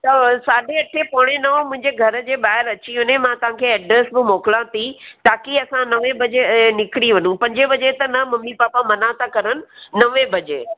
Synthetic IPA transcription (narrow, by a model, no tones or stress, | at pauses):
t̪ɐsaːɖʱeɐʈʰepɐɽ̃enɐomʊ̃ɪ̃ɲd͡ʑeɡʱɐɾd͡ʑeːɓaːɦɪɾɐt͡ɕiɦʊnemãt̪ɐʋ̤ãkʰeːɛɖɾesbɪmoːkɪlãt̪ʰit̪aːkiɐsãnɐʋẽbɐd͡ʑenɪkɪɽiʋɐnũpɐ̃ɲd͡ʑebɐd͡ʑet̪ɐnɐmɐmːipaːpamɐnat̪ʰakɐɾənɪ̆nɐʋebɐd͡ʑeː